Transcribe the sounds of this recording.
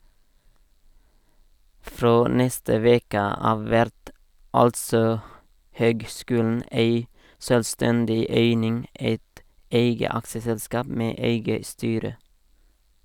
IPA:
ˈfɾoː ˈnɛstə ˈʋeːkə ˈɑːʋ ˈʋæɾt ˈɑltsɔ ˈhøːɡˌskʉːln̩ ˈeɪ ʃœlˈstɛndɪ ˈeɪnɪŋ ˈeɪt ˈeɪɡə ˈɑkʃəsɛlˌskɑːp ˈmeː ˈeɪɡə ˈstyːɾə

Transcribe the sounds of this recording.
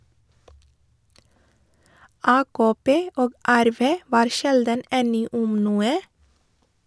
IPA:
ˈɑːkoːˌpeː ˈoːɡ ˈæɾˌʋeː ˈʋɑːɾ ˈʃɛldən ˈɛnɪ ˈʊm ˈnuːə

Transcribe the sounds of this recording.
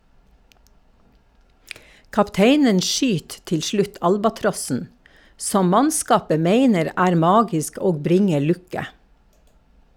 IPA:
kɑpˈteɪnən ˈʃʏt ˈtɪl ˈʃɭʉt ˈɑlbɑˌtɾɔsn̩ ˈsɔm ˈmɑnˌskɑːpə ˈmeɪnəɾ ˈæːɾ ˈmɑːɡɪsk ˈoːɡ ˈbɾɪŋə ˈɭʉkə

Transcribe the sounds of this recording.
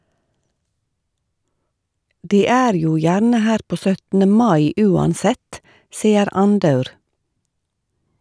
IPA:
ˈdiː ˈæːɾ ˈjuː ˈjæɾnə ˈhæːɾ ˈpoː ˈsœtn̩ə ˈmɑɪ ˈʉːɑnˌsɛt ˈsiːəɾ ˈɑnˌdɑʉɾ

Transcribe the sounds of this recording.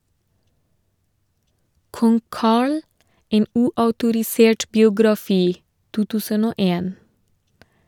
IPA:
ˈkɔŋ ˈkɑːɭ ˈeːn ˈʉːɑʉtʊɾɪˌseːʈ bɪʊɡɾɑˈfiː ˈtuː ˈtʉːsən ˈoː ˈeːn

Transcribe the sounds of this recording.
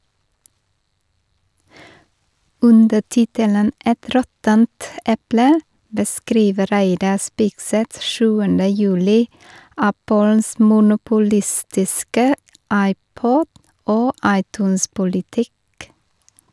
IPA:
ˈʉndə ˈtɪtələn ˈɛt ˈɾɔtənt ˈɛplə bəˈskɾiːʋə ˈɾæɪdɑ ˈspɪɡsɛt ˈʃʉːəndə ˈjʉːlɪ ˈæpəls mʊnʊpʊˈlɪstɪskə ˈɑɪˌpɔd ˈoː ˈɑɪˌtʉːnspʊlɪˌtɪk

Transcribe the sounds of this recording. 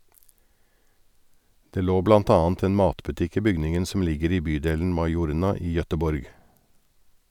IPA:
ˈdeː ˈloː ˈblɑnt ˈɑːnt ˈeːn ˈmɑːtbʉˌtɪk ˈiː ˈbʏɡnɪŋn̩ sm̩ ˈlɪɡəɾ ˈiː ˈbyːdeːln̩ ˈmɑɪˌjuːɾɳɑ ˈiː jœtəˈbɔɾɡ

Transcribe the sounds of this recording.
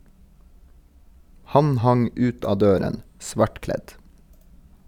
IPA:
ˈhɑn ˈhɑŋ ˈʉːt ˈɑː ˈdøːɾən ˈsʋɑʈˌklɛt

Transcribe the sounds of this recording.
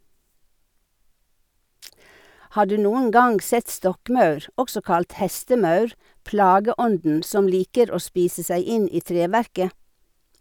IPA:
ˈhɑː ˈɖʉː ˈnuːəŋ ˈɡɑŋɡ ˈsɛt ˈstɔkˌmɑʉɾ ˈɔɡsɔ ˈkɑlt ˈhɛstəˌmɑʉɾ ˈplɑːɡəˌɔndn̩ ˈsɔm ˈliːkəɾ ˈoː ˈspiːsə ˈsæɪ ˈɪn ˈiː ˈtɾeːˌʋæɾkə

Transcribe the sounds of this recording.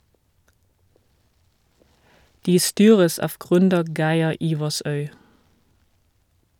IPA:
ˈdiː ˈstyːʁəs ˈɑːʋ ˈɡʁʏndəɾ ˈɡæɪɛ ˈiːʋɑsœʏ

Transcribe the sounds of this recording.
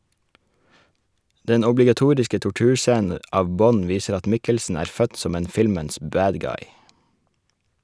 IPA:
ˈdɛn ɔblɪɡɑˈtuːɾɪskə tʊˈʈʉːɾˌsæːnə ˈɑːʋ ˈbɔn ˈʋiːsəɾ ˈɑt ˈmɪkəlsn̩ ˈæːɾ ˈfœt ˈsɔm ˈeːn ˈfɪlməns ˈbæːd ˈɡɑɪ

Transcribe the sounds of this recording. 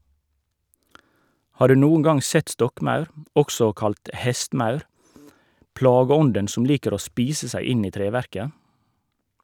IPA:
ˈhɑː ˈɖʉː ˈnuːn̩ ˈɡɑŋ ˈsɛt ˈstɔkˌmɑʉɾ ˈɔksɔ ˈkɑlt ˈhɛstˌmɑʉɾ ˈplɑːɡəˌɔndən ˈsʊm ˈliːkəɾ ˈoː ˈspiːsə ˈsæɪ ˈɪn ˈiː ˈtɾeːˌʋæɾkə

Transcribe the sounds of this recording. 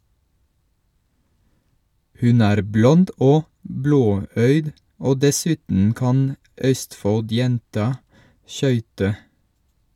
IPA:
ˈhʉn ˈæːɾ ˈblɔnd ˈoː ˈbloːˌœʏd ˈoː dɛˈsʉːtn̩ ˈkɑn ˈʔœstfɔlˌdjɛntɑ ˈʃœʏtə

